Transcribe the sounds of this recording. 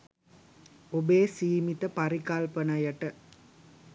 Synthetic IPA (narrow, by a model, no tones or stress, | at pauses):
obeːsiːmit̪əpaɾikɐlpənajɐʈə